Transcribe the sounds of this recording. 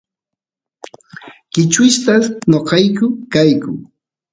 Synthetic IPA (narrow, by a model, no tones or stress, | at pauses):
kɪt͡ʃʊʃt̪anoqɑjkʊkajkʊ̰